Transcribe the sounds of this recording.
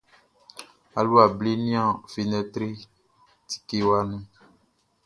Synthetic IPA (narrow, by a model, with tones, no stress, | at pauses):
a˨lu˦a˨bli˦nĩ˦ã˨fi˨nɛ̃˧t̪ɾi˦ | t̪i̥˨ke˦wa˦nũ˦